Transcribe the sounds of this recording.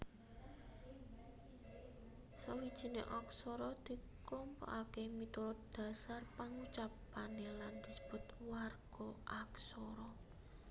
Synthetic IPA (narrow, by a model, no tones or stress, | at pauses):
sawid̥ʒ̥i̤nḛʔɔksɔɾɔd̪̥i̤klɔmpɔ̰ʔakemit̪uɾʊt̪̚d̪̥a̤sarpaŋut͡ʃap | aneland̪̥i̤sə̥b̥ʊt̪warɡ̥ɔʔaksɔɾɔ